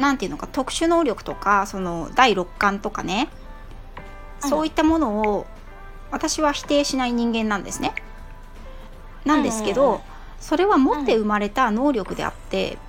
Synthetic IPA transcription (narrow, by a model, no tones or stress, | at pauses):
nãnt̪eiɯ̟no̞kat̪o̞kɯ̟̥ɕɨno̞ːɾʲo̞kɯ̟̥t̪o̞kaso̞no̞d̪aiɾo̞kːãnt̪o̞ka̰ne̞ | sso̞ːit̪ːamo̞no̞ː | βat̪aɕiβaçi̥t̪e̞ːɕinaiɲ̟ĩŋɡẽ̞nːãnd̪e̞sɨne̞ | nãnd̪e̞sɨ̥ke̞d̪o̞ | so̞ɾe̞βamo̞t̪ːe̞ɯ̟maɾe̞t̪ano̞ːɾʲo̞kɯ̟d̪e̞̰a̰t̪ːe̞̰